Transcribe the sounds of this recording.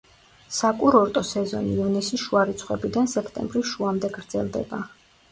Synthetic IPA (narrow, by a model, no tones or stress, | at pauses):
sakʼuɾɔɾt̪ʼɔsɛzɔ̰niːvnisisʃuaɾit̪sʰχʼwɛbid̪ansɛkʰt̪ʼɛ̰mbɾisʃuamd̪ɛɡɾd̪zɛ̰lˠd̪ɛ̰ba